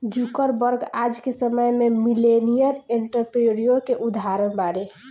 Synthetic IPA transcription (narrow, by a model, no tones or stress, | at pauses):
d͡ʒukəɾbəɾɡad͡ʒkesəməjmemilenijəɾeɳʈəɾpɾeɾijoɾkeʔud̪ɦaɾənbaɾe